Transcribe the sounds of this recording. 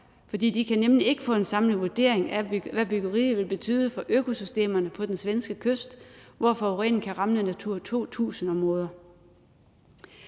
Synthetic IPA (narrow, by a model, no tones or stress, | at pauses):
fɒ̽d̥ḭːd̥ikʰænemlie̝ɡ̥əfɔ̽e̝nsɑ̈mləʋuɐd̥e̝̰ɐ̰eŋæʋæb̥yɡ̥ɐʁḭːʋe̝lb̥e̝t͡sʰy̰ːðˠəfɒ̽ʔøkʰo̝sysd̥e̝̰ːmɐnəpʰɒ̽d̥ensʋensɡ̥əkʰøsd̥ʋɒfɒ̽ʁɛ̰ːnkʰæʁɑ̈mlənæt͡sʰuɐ̰t͡sʰo̝̰ːt͡sʰṵːsn̩ɒ̽mʁɔ̽ːð̞ˠɐ